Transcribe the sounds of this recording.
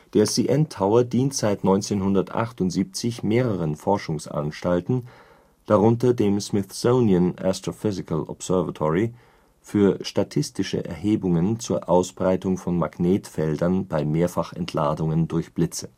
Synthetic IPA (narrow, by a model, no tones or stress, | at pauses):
d̥eːɐsiːʔɛntʰːaʊɐdiːntz̥aɪtnɔʏnt͡seːnɦʊndɐtʔa̰χtʊntz̥iːp̚t͡sɪçmeːʁəʁ̞ənfɔɐʃʊŋsʔa̰nʃtaltn̩ | d̥aʁʊntɐdeːmsmɪθsoʊniəna̰stʁ̥ofʏzɪkəlɔ̰psɛɐvatʰɔʁi | fyːɐʃtatʰɪstɪʃə̰ʔɛ̰ɐɦeːbʊŋənt͡suːɐʔaʊsb̥ʁaɪtʊŋfɔnma̰ɡneːtfɛldɐnbaɪmeːɐfaχɛ̰ntʰlaːdʊŋəndʊɐçb̥lɪt͡sə̥